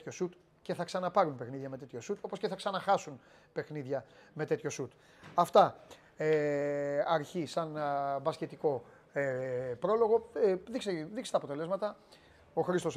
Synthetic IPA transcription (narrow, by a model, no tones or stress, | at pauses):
ço̞sut̪ | ce̞θɐksɐnɐpɐɾunpe̞xniðʝɐme̞t̪e̞t̪ço̞sut̪o̞po̞sce̞θɐksɐnɐxɐsun | pe̞xniðʝɐme̞t̪e̞t̪ço̞sut̪ | ɐft̪ɐ | e | ɐɾçisɐnbɐsce̞t̪iko̞ | epɾo̞lo̞ɣo̞ðikseðikse̥t̪ɐːpo̞t̪e̞le̞zmɐt̪ɐ | o̞xɾist̪o̞s